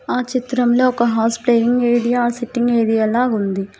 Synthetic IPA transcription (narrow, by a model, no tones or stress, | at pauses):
aːt͡ʃit̪ɾɐmlo̞ːɔkɐɦaːspleːjiŋɡeːɽijaːsiʈːiŋɡeːɽijɛlaːɡund̪i